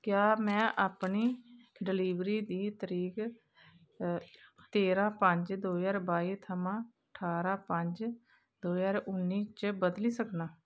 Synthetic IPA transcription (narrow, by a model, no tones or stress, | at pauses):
kjaːmɛ̃ːʔaːpɳiːɖɪliːʋɾiːd̪iːt̪əɾiːk | t̪eːɾãːpəɲd͡ʒd̪oːjaːɾbaːiːt̪ʰəmãːəʈʰaːɾaːpəɲd͡ʒ | d̪oːjaːɾʊnːiːt͡ʃbəd̪liːsəknãː